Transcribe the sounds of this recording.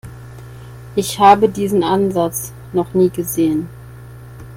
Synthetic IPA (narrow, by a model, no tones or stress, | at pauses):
ʔɪçhaːbədiːzn̩ʔanzat͡s | nɔχniːɡəzeːən